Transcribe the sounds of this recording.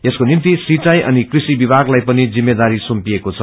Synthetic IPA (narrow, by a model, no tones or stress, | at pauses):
eskonimt̪isrit͡sajʔʌ̰nikrisibibʱaɡlajpʌnid͡zimːed̪aɾisumpiekot͡sʰʌ